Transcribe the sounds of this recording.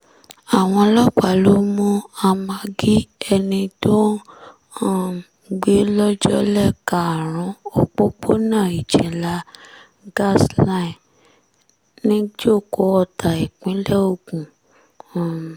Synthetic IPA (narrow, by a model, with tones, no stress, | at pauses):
a˨w̃ɔ̃˧lɔ˦k͡pa˨lo˦mũ˦a˧mã˧ɡi˦ɛ˧nĩ˧to˦˨ | ɡ͡be˦lɔ˦d͡ʒɔ˦lɛ˦˨ka˨ɾ̃ã˨˦o˦k͡po˦k͡po˦nãː˦˨i˨d͡ʒɛ˨la˦ | ɡa˦˨sla˦ĩ˨ | nĩ˦d͡ʒo˦˨ko˨˦ɔ˧tʰa˨i˨k͡pĩ˨˦lɛ˦o˧kũ˨